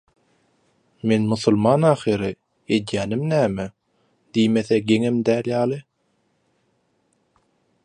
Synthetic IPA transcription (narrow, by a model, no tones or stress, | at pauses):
menmuθulˠmɑːnɑːχiɾɯ | ed̪jæːnimnæːme | d̪̥ijmeθeɡeŋemd̪æːljɑːlˠɯ